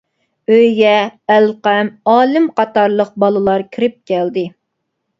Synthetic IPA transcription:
øjɡʲɛælqɛmɑːlɪmqʰɑt̪ɑɾlˠəq̚bɑlˠɨlˠɑɾkʲʰiɾɪp̚kʲʰɛld̪ɪ

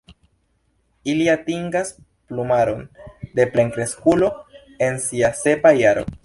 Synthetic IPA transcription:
iliatiŋɡas | plumaɾo̞nde̞ple̞ŋkɾe̞skulo̞ | e̞nsiase̞pajaɾo̞̰

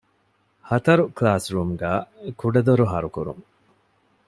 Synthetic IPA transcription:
hɐt̪ɐɾuklaːsɾuːmɡæːekuɖɐd̪oɾuɦɐɾukuɾṵŋ

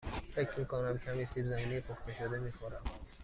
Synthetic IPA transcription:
fecʰɾmiːkʰonæmcʰæmisiːbzæmiːnejpʰoxt̪eʃod̪emiːxoɾæm

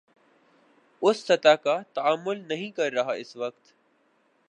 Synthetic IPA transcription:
ʊsːɐt̪aːkat̪ɐaːmːʊlnɐɦĩːkɐɾːɐɦaɪsʋəkt̪

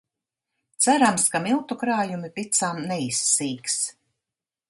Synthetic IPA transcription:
t̪sæɾamskamilˠt̪ukɾaːjumipit̪samnɛisːiːks

